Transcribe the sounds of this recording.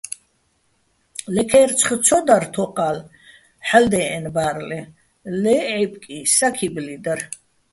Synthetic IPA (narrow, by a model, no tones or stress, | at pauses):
lɛkʰɛɾt͡sʰχət͡sʰɔd̪aɾt̪ʰɔqʼal | ħald̪ɛɛnbaɾlɛ | lɛʕipʼkʼisakʰiblid̪aɾ